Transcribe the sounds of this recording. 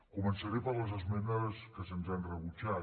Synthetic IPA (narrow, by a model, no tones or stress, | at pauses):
kumənsəɾepəɾləzəzmɛnəskəsənzanrəβut͡ʃa